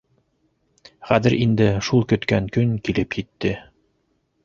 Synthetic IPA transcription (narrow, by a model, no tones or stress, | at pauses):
χæðɘɾind̪ɘʃulˠkɵ̆t̪kæŋkɵŋkilɘpjit̪ːɘ